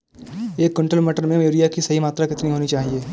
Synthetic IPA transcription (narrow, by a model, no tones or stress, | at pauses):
eːkːʊɳʈəlmeʈəɾmẽeːɾijakisɐɦimaːt̪ɾakɪt̪niɦoːnit͡ʃaːɦieː